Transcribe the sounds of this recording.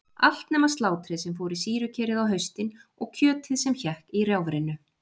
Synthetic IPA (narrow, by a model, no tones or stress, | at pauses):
a̰l̥t̪nɛːmast̪laːwt̪ʰɾɪðsɛmfowɾɪsiːɾʏcʰɛːɾɪðawɦœɥst̪ɪnɔɣcʰœːt̪ʰɪðsɛmçɛhkiɾjawvɾɪnʏ